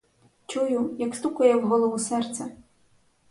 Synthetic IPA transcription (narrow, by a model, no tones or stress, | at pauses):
t͡ʃujʊjɐkst̪ukɐjɛwɦɔlˠɔʋusɛrt̪sɛ